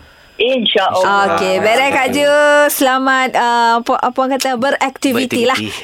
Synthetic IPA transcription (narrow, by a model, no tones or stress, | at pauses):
inʃaʔokebeɾɛkaʔd͡ʒəsəlamãt̪̚əpaʔapaŋkat̪abəɾɛk̚t̪ivit̪ilah